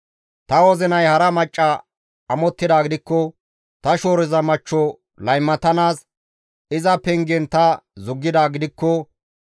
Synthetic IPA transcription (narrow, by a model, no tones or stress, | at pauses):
t̪ɐwɔzɪnɐjhɐɾɐmɐt͡ʃʼːɐ | ɐmɔt̪ːɪd̪aːɡɪd̪ɪkːɔ | t̪ɐʃo̞ːɾɪzɐmɐt͡ʃːɔ | lɐjmːɐt̪ɐnaːs | ɪzɐpɛŋɡɛnt̪ɐzʊɡːɪd̪aːɡɪd̪ɪkːɔ